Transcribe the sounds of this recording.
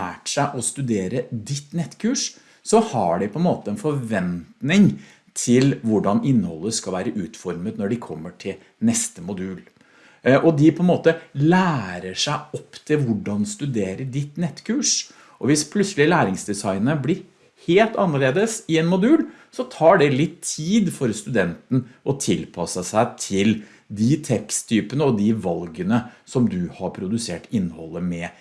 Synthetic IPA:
æ̰ːʈʂæɪʔɔst̪ʉd̪eːɾəd̪ɪt̪ːnɛt̪ːkʰʉːʂ | sɔhɑɖɪpʰɔɛnmoːt̪əɛnfɔɾʋɛnt̪nɪŋ | t̪ʰɪlʋʊɖɑnɪnːəhɔ̰lˠːəskɑlʋæːɾəʔʉːt̪fɔɾmət̪nɔɖɪkʰɔmːəʈʰɪl | nɛst̪əmʊd̪ʉːl | ʔɔd̪ɪpʰɔɛnmoːt̪əlæːɾəʂæɪɔpːt̪ʰɪlʋʊɖɑnst̪ʉd̪eːɾəɖɪt̪nɛt̪ːkʰʉːʂ | ʔɔʋɪspʰlʉt̪səlɪlæːɾɪŋsd̪ɛsɑɪnəəblɪɾ | heːlt̪ɑnːəɭeːd̪əsɪɛnmʊd̪ʉːl | sɔt̪ʰɑːɖɛlɪt̪ʰːiːd̪fɔɾst̪ʉd̪ɛnt̪n̩ʔɔt̪ʰɪlpʰɑsəsæɪt̪ʰɪl | d̪ɪt̪ʰɛkst̪ʰyːpənəɔd̪ɪʋɑlɡənəsɔmd̪ʉhɑɾpʰɾʊd̪ʉseːʈɪnːhɔlːəmɛ

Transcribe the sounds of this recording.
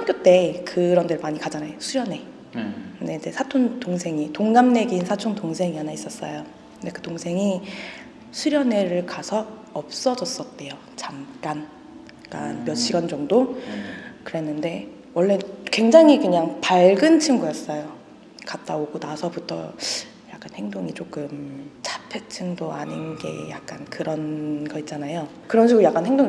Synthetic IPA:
pʰʌkjot͈e̞kɯɾʌndɯɾmaɲikad͡ʑanajosʰuɾjʌne̞ | kɯndeind͡ʑe̞sʰatʰontoŋsʰe̞ŋitoŋɡamne̞ɡinsʰat͡ɕʰontoŋsʰe̞ŋianais͈ʌs͈ʌ̰jo | ɯnde̞kɯtoŋsʰe̞ŋi | sʰuɾjʌne̞ɾɯɭkasʰʌːp̚s͈ʌd͡ʑʌs͈ʌt̚t͈e̞jo | t͡ɕamk͈an | k͈a̰nmjʌɕ͈iɡʌnd͡ʑʌŋdo | kɯɾe̞nːɯnde̞ | wʌɭːe̞kwe̞ŋd͡ʑaŋikɯɲaŋpaɭɡɯnt͡ɕʰiŋɡujʌs͈ʌjo | kat̚t͈aoɡonasʰʌbutʰʌ̰ | jak͈̚anhe̞ŋdoŋit͡ɕ͈ok͈ɯmt͡ɕʰḁpʰet͡ɕʰɯŋdoa̰ɲinɡe̞̰ja̰k̚k͈ankɯɾʌnɡʌit̚t͡ɕ͈anajo | kɯɾʌnɕ̬ʰiɡuɾujak͈anɦe̞ŋdoŋ

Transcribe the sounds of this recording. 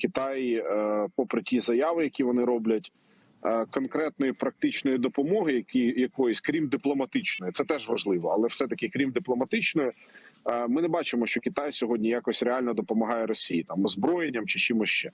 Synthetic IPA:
kʲɪt̪ɑjpɔpɾɪtʲizɐjɑʋɪjɐkʲiʋɔnɪɾɔblʲɐtʲ | kɔnkɾɛt̪̚nɔjipɾɐk̚t̪ɪt͡ʃnɔjid̪ɔpɔmɔɦɪjɐkijɐkɔjɔsʲkɾʲimd̪ɪplˠɔmɐt̪ɪt͡ʃnɔjɪt̪sɛt̪ɛʒʋɐʒlˠɪʋɔɐlˠɛwsɛt̪ɐkɪkɾʲimd̪ɪplˠɔmɐt̪ɪt͡ʃnɔjʊ | mɪnɛbɑt͡ʃɪmɔʃt͡ʃɔkʲɪt̪ɑjsʲɔɦɔdʲnʲijakɔsʲreɑlʲnɔd̪ɔpɔmɐɦɑjɛɾɔsʲijit̪ɑmɔzbɾɔjenʲːɐmt͡ʃɪt͡ʃimʊst͡ʃɛ

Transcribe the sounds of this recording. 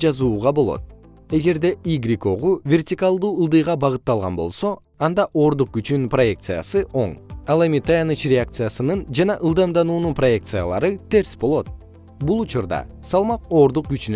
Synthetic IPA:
d͡ʒɑzuːʁɑbo̞lˠo̞̰t̪̚ | e̞ɡe̞ɾd̪e̞iɡɾʲiko̞ʁuvʲe̞rt̪ʲikalˠd̪uːɯlˠd̪ɯjʁɑbɑʁɯt̪ːɑlˠʁɑ̰nbo̞̰lˠso̞ | ɑnd̪ɑʔo̞ːɾd̪uq̚ɡyt͡ʃynynpro̞je̞kt̪sɨja̰sɯʔo̞ɴɑlˠe̞mit̪ʰajɑnɯt͡ʃrʲɪakt̪sɨjasɯnɯnd͡ʒɑnɑʔɯlˠd̪ɑmd̪ɑnuːnunproje̞kt̪sɨja̰lˠɑ̰ɾɯt̪e̞ɾsbo̞lˠo̞t̪̚ | bulˠut͡ʃuɾd̪ɑ̰sɑlˠmɑqo̞ːɾd̪uq̚ɡyt͡ʃyn

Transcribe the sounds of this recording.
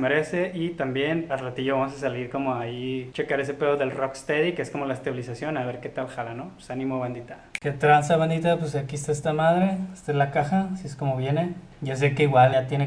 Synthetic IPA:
meɾe̞seʔit̪ambje̞nalrat̪iʝoβamos̬asaliɾko̞moait͡ʃekaɾes̬e̞peðoðelrokst̪eðikeesko̞mo̞laest̪aβilisasjo̞naβeɾket̪alxalanopsanĩmoβend̪it̪aket̪ɾansaβend̪it̪apwes̬akiest̪aes̬t̪amað̞ɾeest̪aelakaxasiesko̞moβje̞ne | ʝas̬ekeiɣwalat̪jene

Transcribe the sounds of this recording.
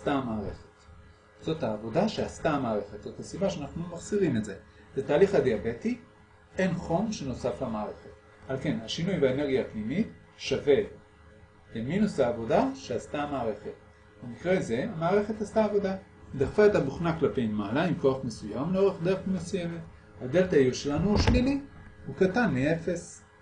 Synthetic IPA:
astaamaːʁe̞̰χet | z̥o̞thaːvo̞daʃeastaamaːʁe̞χet̪z̥o̞thasibaʃeanaχnumaχz̥iʁimetze̞zetaːliχhad̪eabe̞ti | e̞nχo̞mʃe̞no̞saflamaːʁe̞χet | alke̞naʃinujbaene̞ʁɡiaːpnimit | ʃave̞ | leminushaːvo̞daʃeastamaːʁe̞χe̞t̚ | bemikʁeze̞amaːʁe̞χe̞tastaːvo̞da | d̪aʁfaetabuχnaklape̞jmalaimko̞aχmesujamleo̞ʁe̞χd̪e̞ʁemmesujeme̞t̪ | had̪eletajuʃe̞lanuuʃlinihukatanmie̞fe̞s

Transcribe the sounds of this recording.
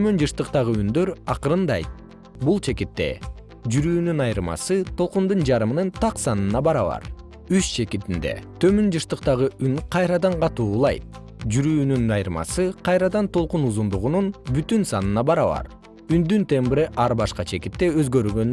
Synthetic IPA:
t̪ʰømønd͡ʒɯʃt̪ɯqt̪ɑʁɯynd̪ø̞ɾɑqɯɾɯnd̪ɑ̰jt̪̚ | bulˠt͡ʃʰe̞kit̪ːe̞̰ | d͡ʒyɾyːnynɑjɾmɑ̰sɯt̪ʰo̞lˠqund̪und͡ʒɑɾɯmɯnɯnt̪ɑqsɑnɯnɑbɑɾɑβɑ̰ɾ | yst͡ʃʰe̞kit̪ind̪e̞̰t̪ʰø̞mønd͡ʒɯʃt̪ɯqt̪ɑʁɯyŋqʰɑjɾɑd̪ɑɴqɑt̪uːlˠɑ̰jt̪̚ | d͡ʒyɾyːnynɑjɯɾmɑ̰sɯqʰɑjɾɑd̪ɑnt̪ʰo̞lˠqunuzund̪uʁununbyt̪ynsɑnɯnɑbɑɾɑβɑ̰ɾ | ynd̪ynt̪ʰembɾiʔɑɾbɑʃqɑt͡ʃʰe̞kit̪ːe̞øzɡø̞ɾɡø̞n

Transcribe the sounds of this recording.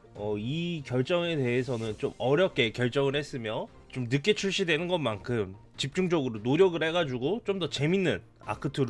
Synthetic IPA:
ʌikjʌɭt͡ɕ͈ʌŋe̞de̞ɦesʰʌnɯnt͡ɕomʌɾjʌp̚k͈e̞kjʌɭt͡ɕ͈ʌŋɯɭhe̞s͈ɯmjʌ | t͡ɕomnɯk͈e̞t͡ɕʰuɭɕ͈idwe̞nɯnɡʌnmankʰɯm | t͡ɕip̚t͡ɕ͈uŋd͡ʑʌɡɯɾonoɾjʌɡɯɭhe̞ɡad͡ʑuɡot͡ɕ͈omdʌt͡ɕe̞minːɯn | a̰kʰɯtʰɯɾ

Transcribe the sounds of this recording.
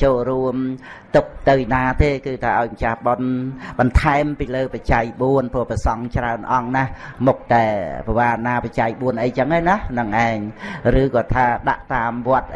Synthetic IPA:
t͡ɕoːlruəm | t̪uk̚t̪ɨwjnaːt̪eːkɨːt̪ʰaːʔaɔjmət͡ɕahɓonɓɑnt̪ʰaɛmpiːləːpat͡ɕaɛj̚ɓuənpʊəhpəsɑŋt͡ɕraənʔɑŋnahmuk̚t̪aɛpaʋaːnaːpat͡ɕaɛj̚ɓuənʔəjt͡ɕəŋʔanahnɨŋʔaɛŋrɨːkɑːt̪ʰaːɗa̰ʔt̪aːmʋŏət̪̚

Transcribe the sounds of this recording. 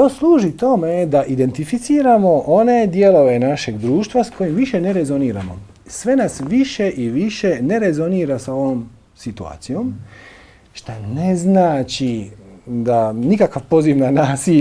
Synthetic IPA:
t̪o̞slˠuːʒit̪o̞me̞d̪aʔid̪e̞nt̪ifit̪siːɾamo̞ʔone̞d̪je̞lo̞ʋe̞naʃe̞ɡd̪ɾuːʃt̪ʋasko̞jimʋiʃe̞ne̞ɾe̞zo̞niːɾa̰mo̰ | sʋe̞nasʋiʃe̞ʔiʋiʃe̞ne̞ɾe̞zo̞niːɾasao̞ʋo̞m | sit̪ua̰ːt̪sijom | ʃt̪aneznaːt͡ʃi | d̪anikakaʋpo̞ziʋnanaːsi

